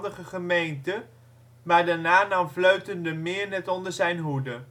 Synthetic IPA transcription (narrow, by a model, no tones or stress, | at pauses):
dəχəχəmejntə | maːɹdaːɹnaːnɑmvløɥtəndəmɪːɹnɛtɔndəɹzɛjnɦudə